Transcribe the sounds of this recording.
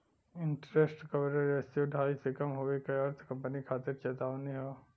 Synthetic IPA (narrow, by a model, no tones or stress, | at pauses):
ɪɳʈɾesʈkɐʋɾəɾesoɖʱaːisekɐmɦoːekɐɐɾt̪ʰkɐ̃mpənikʰaːt̪ɪɾt͡ʃeːt̪aːʋniɦoː